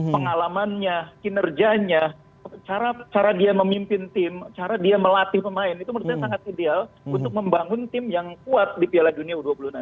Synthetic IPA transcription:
pəŋalamanɲakinərd͡ʒaɲa | t͡ʃaɾat͡ʃaɾadiaməmimpɪnt̪ɪmt͡ʃaɾadiaməlat̪ɪhpəmaɪnit̪uməɾusaɲasaŋat̪̚idealunt̪ʊk̚məmbaŋʊnt̪ɪmjaŋkuat̪̚dipialahduniauduapuluhna

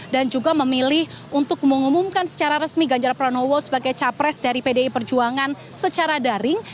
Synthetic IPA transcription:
dand͡ʒuɡaməmilɪh | unt̪ʊk̚məŋumumkansə̥t͡ʃaɾaɾəsmiɡaɲd͡ʒarpɾanowɔsəbaɡajt͡ʃapɾɛsdaɾipedeipərd͡ʒuaŋan | sət͡ʃaɾadaɾɪŋ

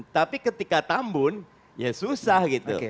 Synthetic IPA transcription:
t̪apikət̪ikat̪ambʊn | jasusahɡit̪ṵ

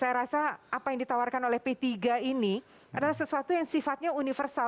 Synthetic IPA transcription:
sajaɾasaapajaŋdit̪awarkanolɛhpet̪iɡaini | adalahsəsuat̪ujaŋsifat̪̚ɲaunifərsa

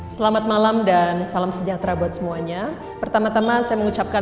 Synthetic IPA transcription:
səlamat̪̚malamdansalamsəd͡ʒat̪ɾabuat̪̚səmuaɲa | pərt̪amat̪amasajaməŋut͡ʃap̚ka

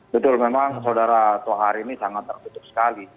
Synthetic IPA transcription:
bət̪ʊlmemaŋsawdaɾat̪uwaɦaɾiːnisaŋat̪ːərt̪ut̪ʊp̚sə̥kali

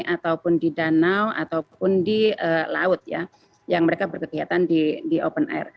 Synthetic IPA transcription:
ʔat̪aupʊndidanawa̰t̪awpʊndiəla̰ʊt̪̚ja̰ | jaŋməɾekabərkəkiat̪andidiʔopənɛ̰r

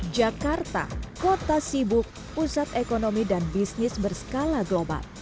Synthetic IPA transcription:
d͡ʒakart̪a̰kot̪asibʊk̚ | pusat̪ekonomidanbisnɪsbərsə̥kalaɡloba̰l

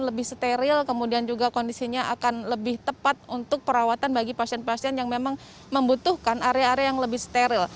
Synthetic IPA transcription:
nləbɪhst̪eɾɪlkəmudiand͡ʒuɡakondisiɲaʔakanləbɪht̪əpat̪̚unt̪ʊk̚pəɾawat̪anbaɡipasiɛnpasiɛnjaŋmemaŋ | məmbut̪uhkanaɾjaːɾeajaŋləbɪhsə̥t̪eɾɪl

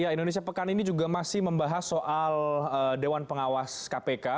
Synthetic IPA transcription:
jaindones̬iapəkaninid͡ʒuɡamasɪhməmbaɦasoʔalədewanpəŋawaskapeka

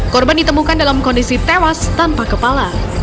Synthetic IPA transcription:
kɔrbandit̪əmukandalamkɔndisit̪ewast̪anpakəpala

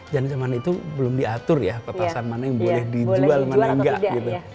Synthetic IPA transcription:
d͡ʒand͡ʒamanait̪ubəlʊmdiat̪ʊrjapət̪asanmanajaŋbolɛhdid͡ʒualmanaŋɡaʔɡit̪u

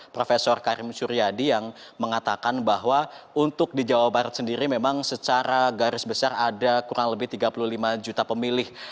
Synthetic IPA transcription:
pɾofesɔrkaɾɪmsuɾiadijaŋ | məŋat̪akanbaɦwaunt̪ʊk̚did͡ʒawabaɾət̪̚səndiɾimemaŋsət͡ʃaɾaɡaɾɪsbəsaradakuɾaŋləbɪht̪iɡapululimad͡ʒut̪apəmilɪh

